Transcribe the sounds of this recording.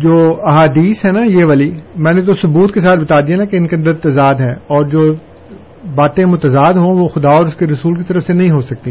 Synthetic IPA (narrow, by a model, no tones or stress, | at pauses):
d͡ʒoːɐɦaːd̪iːsɦɛnajeʋaːlimɛ̃ːnẽt̪̬osʊbuːt̪kes̬aːt̪̚ʰbɐt̪aːd̪ienakeɪnkeɐ̃nd̪əɾt̪ɐzaːd̪ɦɛ̃ːɔːɾd͡ʒoː | baːt̪ẽmʊt̪əzaːd̪ɦõʋoxʊd̪aɔːɾʊskeɾɐsuːlkit̪ɐɾəfsenɐɦĩɦosɐk̚t̪iː